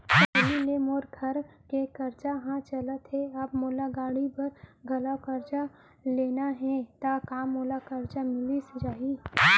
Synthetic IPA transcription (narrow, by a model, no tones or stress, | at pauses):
ɦilemoːɾɡʱɐɾkekɐɾt͡ʃaɦãt͡ʃɐlət̪ɦɛɐbmoːlaɡaːɽipɐɾɡʱɐlakəɾt͡ʃa | leːnaɦɛt̪akaːmːoːlakɐɾt͡ʃamɪlised͡ʒaːɦi